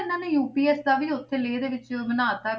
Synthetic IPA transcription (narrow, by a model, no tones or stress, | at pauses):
ɪnãːneːjuːpiːɛːsd̪aːʋiːʊt̪ʰːeːleːd̪eːʋɪt͡ʃmənaːt̪aː